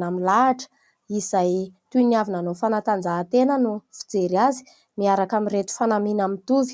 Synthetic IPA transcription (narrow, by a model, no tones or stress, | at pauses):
amilaaʈ͡ʂə̥ | isajt̪uniavinanofanat̪and͡zaːt̪enənufi̥d͡zeɾiazi̥ | miaɾakamiɾet̪u̥fanaminamint̪uvi̥